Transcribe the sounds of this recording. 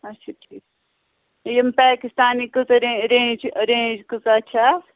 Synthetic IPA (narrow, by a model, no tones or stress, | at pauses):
ɐʃʰaʈʰiːk | jɐmpaːkist̪aːnikɨzɐɾẽɾẽːd͡ʒɐɾẽːd͡ʒkuzɐt͡ʃʰa